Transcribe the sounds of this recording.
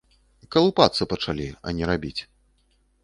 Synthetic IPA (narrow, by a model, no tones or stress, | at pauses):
kɐlˠupat̪sɨpɐt͡ʂalʲiɐ̰nʲɛɾabʲit͡sʲ